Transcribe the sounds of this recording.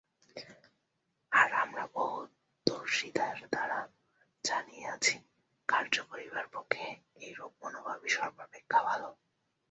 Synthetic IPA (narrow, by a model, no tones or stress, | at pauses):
aɾamɾabɔɦut̪ | d̪oɾʃit̪aɾd̪aɾa | d͡ʑanijeat͡ɕʰi̥ | kaɾd͡ʑopoɾibaɾpokʰːe | ejɾob̚monobʱabiʃɔɾbaɾbekʰːabalo